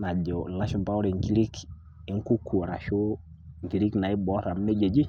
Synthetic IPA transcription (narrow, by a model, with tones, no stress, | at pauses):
na˨d͡ʒɔ˨la˦ʃo˨mba˦ʊ˦ɾe˨ŋki˦ɾi˦k | ɪ˨˦ŋ˦ku˦kʰu˨o˨ɾa˨ʃo˦ | ŋki˨ɾi˦kna˨ɪ˦bɔ˦ɾa˨m˦nɛ˦d͡ʒe˨d͡ʒi˦